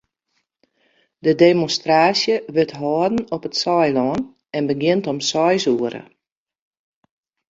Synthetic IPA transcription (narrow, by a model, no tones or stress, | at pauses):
dədemonstraːsjəʋɪtɦɔːdn̩ɔpətsɔjlɔːn | ɛnbəɡɪntɔmsɔjsuəɾə̰